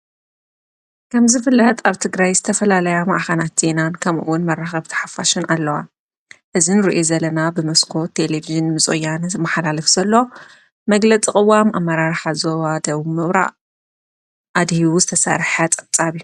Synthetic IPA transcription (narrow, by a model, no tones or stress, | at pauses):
kʰɐmzɨfɨlːɐt̪ʰʼaβt̪ʰɨɡɾajzɨt̪ʰɐfɐlalɐjama̰ʔxɐnat̪z̥e̞nankʰɐmʔɨ̰wːʊnmɐraxɐβt̪ʰɐ̥ħafaʃunʔalːɐwa | ʔɨzinɨɾiʔozɐlɐnabɨmɐskʰo̞t̪ʰːe̞leviʒɨnmɨt͡sʼṵjːanzɨmːaħalalɨfz̥ɐlːo | mɐɡlɐt͡sʼikʼɨwamamːɐɾaɾħazowad̪ɐβmɨβɾa̰ʔ | ʔad̪hiwuzɨt̪ʰɐsa̰ɾħat͡sʼɐβt͡sʼaβiu